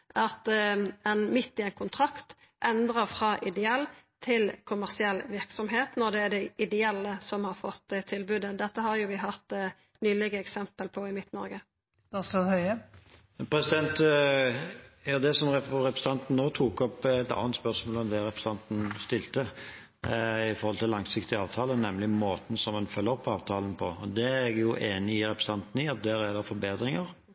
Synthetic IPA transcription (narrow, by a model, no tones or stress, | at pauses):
ʔɑt̪ɛnmɪt̪ːɪɛnkʰʊnt̪ʰʁɑkt̪ | ʔɛnd̪ʁəʁfɾɑːʔɪd̪ɛɛlːt̪ʰɪlkʰʊmæʁsɪɛlːʋɪʁksɔmɦeːt̪nɔʁd̪ɛːɖ̪ɛʔɪd̪ɛɛlːəsɔmhɑɾfɔt̪ːt̪ʰɪlbʉːd̪əd̪ɛt̪ːəhɑɾjʊʋɪɦɑt̪ | nyːlɪɡəɛksɛmpəlpʰɔɪmɪt̪nɔ̰ɾɡə | d̪ɑsohœʏə | pʰɾɛsɪd̪ɛnt̪ | jɑːd̪ɛsɔmʁɛɾɛpɾəsəɑnt̪n̩noːt̪ʰuːkɔpɛt̪ɑ̰ːənt̪spœʁsmoːlɔmd̪ɛɾɛpɾəst̪ɑnt̪n̩st̪ɪlt̪ə | ɪfɔɾhɔlt̪ʰɪlːɑŋsɪkt̪ɪɑːʋt̪ʰɑːlənɛmlɪmoːt̪n̩sɔmɛnfœlːəɔpːɑːʋt̪ʰɑːlənpʰɔɔd̪ɛɛɡjʊʔeːnɪɪɾɛpɾəst̪ʰɑnt̪n̩ɪɑt̪̚d̪ɛɾɛd̪əfɔɾbeːd̪ɾɪŋəʁ